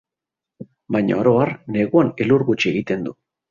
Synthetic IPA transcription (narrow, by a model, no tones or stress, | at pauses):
bajɲa̰oɾo̞aɾne̞ɣuaneluɾɣut͡ʃie̞ɣit̪e̞nd̪u